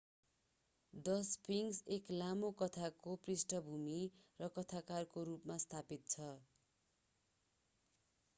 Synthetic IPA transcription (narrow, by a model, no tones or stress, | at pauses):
d̪ʌspiŋseklamokʌt̪ʰakoprisʈʌbʱumirʌkʌt̪ʰakarkoɾupmast̪ʰapit̪̚t͡sʰʌ